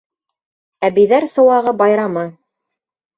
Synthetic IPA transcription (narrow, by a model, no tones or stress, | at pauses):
æβiðæɾsɤ̆wɑʁɤbɑjɾɑmɤ